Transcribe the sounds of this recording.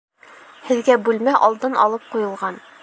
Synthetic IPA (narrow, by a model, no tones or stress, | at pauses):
hɘ̆ðɡæbʉlmæʔɒlˠd̪ɤnɒlˠɤp̚qujɤ̆lˠʁɑn